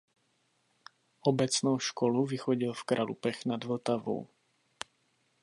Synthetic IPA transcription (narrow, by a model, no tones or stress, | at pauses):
ɔbɛt͡snuʊʃkɔluʋixɔɟilfkɾalṵpɛxnad̪ʋl̩t̪aʋɔ̰ʊ